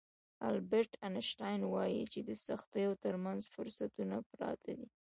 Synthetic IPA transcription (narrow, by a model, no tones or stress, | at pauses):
a̰lbeɾʈʰanɪʃʈɑjnwɑjḭt͡ʃed̪əsaxt̪əjot̪əɾmanzfʊɾsat̪unapɾɑ̰t̪ʰad̪i